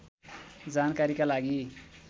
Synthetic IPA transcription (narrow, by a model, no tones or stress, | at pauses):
d͡zankaɾikalaɡi